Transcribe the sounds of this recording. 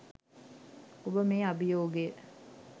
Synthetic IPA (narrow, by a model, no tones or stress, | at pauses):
obəmeːabijoːɡejə